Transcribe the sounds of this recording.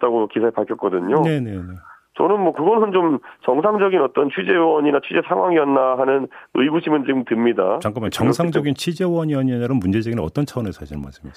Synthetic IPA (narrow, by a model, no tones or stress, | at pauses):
t͈aɡokisʰaepaɭkʰʌk͈ʌdɯɲone̞ne̞ne̞ | t͡ɕʌnɯnmwʌkɯɡʌnɯnt͡ɕomt͡ɕʌŋsʰaŋd͡ʑʌɡinʌt͈ʌnt͡ɕʰuid͡ʑe̞wʌɲinat͡ɕʰid͡ʑe̞sʰaŋɦwaŋiʌnːaɦanɯnɯiɡuɕʰimɯnt͡ɕiɡɯmtɯmɲida̰t͡ɕaŋk͈ʰamjʌnt͡ɕʌŋsʰaŋd͡ʑʌɡint͡ɕʰid͡ʑewʌɲiʌɲiʌnaɾɯnmund͡ʑe̞d͡ʑʌɡinʌt͈ʌnt͡ɕʰaʌnɯɭsʰaɕʰiɾma̰ɭs͈ɯmes